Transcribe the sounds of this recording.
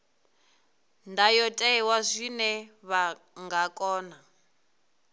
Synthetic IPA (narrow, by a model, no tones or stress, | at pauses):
ndajɔtʼɛɛwazʷinɛβa | ŋɡakʼɔːna